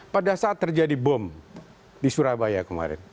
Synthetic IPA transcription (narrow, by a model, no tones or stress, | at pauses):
padasaːt̪ːərd͡ʒadibɔm | disuɾabajakəma̰ɾɛ̰n